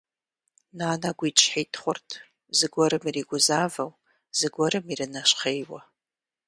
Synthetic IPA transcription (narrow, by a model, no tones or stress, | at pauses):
naːnaɡʷit͡ʃʰħejtʰχʷʊrtʰ | zɨɡʷaɾɨmiriɡʷʊzavaw | z̥ɨɡʷaɾɨmirɨnaʃʷχejwa̰